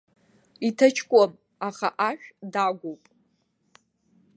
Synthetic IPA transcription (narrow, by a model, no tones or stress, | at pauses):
itʰɐt͡ʃʰkʷʼam | aχa̰ʔaʃᶣdaɡʷowpʼ